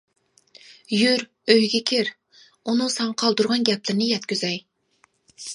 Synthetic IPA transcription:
jyɾ | øjɡʲɛkʲʰɪɾ | unɨsɑŋqʰɑlˠd̪uɾʁɑnɡʲɛplɪɾɪnɪjɛt̪kʲyzɛj

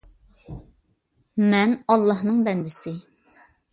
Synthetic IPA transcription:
mɛnɑlˠːɑɦnɨŋbɛnd̪ɪsɪ

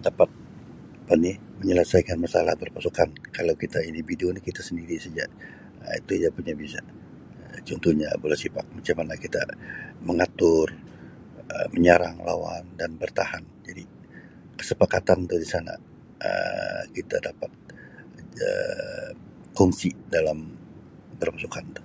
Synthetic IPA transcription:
dapat̪̚ | apani | məɲələsajkanmasalahbərpasukankalawkit̪aindividuonikit̪asəndiɾisad͡ʒaʔ | it̪ujapuɲabisa | ət͡ʃɔnt̪uhɲa̰bolasipa̰k̚mat͡ʃamanakit̪aməŋat̪ʊr | əməɲaɾa̰ŋla̰wa̰ndanbərt̪ahand͡ʒadi | kə̥səpakat̪ant̪udisana̰ | ə̰kit̪a̰dapat̪̚ | ə̰ | kɔŋsidalam | bərpasukant̪u̥

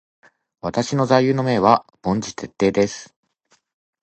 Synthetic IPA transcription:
βat̪aɕino̞zajjɯ̟ːno̞me̞ːβab̥õ̞ɲ̟d͡ʑit̪e̞t̪ːe̞ːd̪e̞sɨ̥

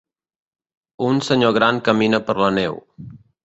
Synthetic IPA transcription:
unsəɲoɣɾaŋkəminəpəɾlənḛw

